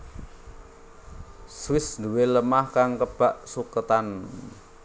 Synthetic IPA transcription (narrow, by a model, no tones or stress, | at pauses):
swɪsnd̪uweləmahkaŋkəb̥a̤ʔsukət̪an